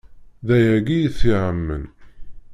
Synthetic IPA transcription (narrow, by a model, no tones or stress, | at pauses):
ðæjæɡijθiʕəmːə̰n